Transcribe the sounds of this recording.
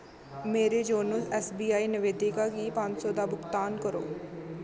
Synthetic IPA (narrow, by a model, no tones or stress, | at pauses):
meːɾed͡ʒoːnəlɛːsbiːaːinɪʋeːd̪ɪkakipãːɲt͡ʃsɔːd̪aːbʊɡt̪aːnkəɾo̰ː